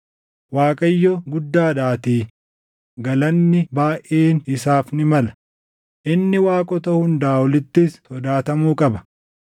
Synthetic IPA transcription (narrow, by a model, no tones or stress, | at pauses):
waːkʼɐjːɔɡʊd̪ːaːᶑaːt̪iː | ɡɐlɐnːɪbaːjʔeːnɪsaːfnɪmɐlɐ | ʔɪnːɪwaːkʼɔt̪ɐhʊnd̪aːwɔlɪt̪ːɪstɔd̪aːt̪ɐmuːkʼɐbɐ̥